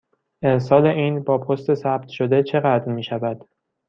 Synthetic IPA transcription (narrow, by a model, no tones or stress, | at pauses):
ʔensɒːle̞ʔiːnbɒːpʰo̞st̪e̞sæb̥̚t̪ʰʃo̞d̪e̞t͡ʃʰe̞ɣæd̪ɾmiːʃævæd̪̥